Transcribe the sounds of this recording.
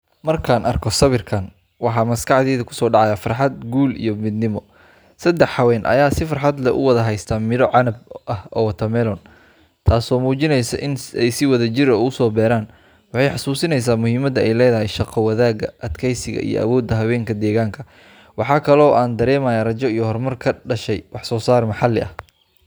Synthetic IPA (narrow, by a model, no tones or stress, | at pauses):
mɐrkʰaːnʔɐrkʰɔsɐβɪrkʰɐn | wɑħɑːmɐskʰɑʕðɛːðɐkʰʊ̥sɔːɖɑʕɑjafɐrħɑd̪̚ɡuːlḭjɔmɪd̪nɪmɔ | sɐd̪ːɛħɑwɛːnʔɐ̰jaːsɪfɑrħɑd̪lɛʔʊ̰wɐðɐɦɛjst̪ʰaːmɪðɔʕɑnɐbʔɐhɔt̪ʰɐmɛlɔn | t̪ʰaːsɔːmuːt͡ʃɪnɛjsɐ̰ʔɪnɛjsɪwɐðɐt͡ʃɪɾɐʊsɔːbɛːɾaːn | wɑħɑjħɑsuːsɪnɛjs̬aːmʊhiːmɐd̪ɐɛjlɛːðɐɦɛjʃɑqʰɔwɐðaːɣɐʔɐt̪kʰɛjsɪɣɐ̰ʔḭjɔ̰ʔɐ̰wɔːd̪ːɐɦɐwɛːŋkʰɐd̪ɛːɣaːŋkʰɐ | wɑħɑːkʰɐlɔːʔaːnd̪ɐɾɛːmajarɐt͡ʃɔijɔhɔrmɐrkʰɐɖɐʃɛjwɑħsɔːsaːrmɑħɑlɪʔɐ̰h